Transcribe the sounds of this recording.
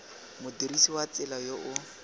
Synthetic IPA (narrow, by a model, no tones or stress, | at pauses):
mʊdirisiwat͡sɪlajoʔʊ